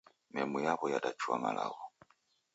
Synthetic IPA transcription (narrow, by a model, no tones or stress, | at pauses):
mɛmujaβɔjadat͡ʃuamalʔa̰βɔ